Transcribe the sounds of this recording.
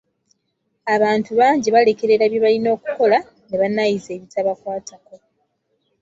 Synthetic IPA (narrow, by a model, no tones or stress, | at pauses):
aβaːntuβaːɲɟiβale̞ke̞ɾe̞ɾaβjeβalino̞ːku̥ko̞la | neβanajize̞ːβitaβakwaːtʰako̞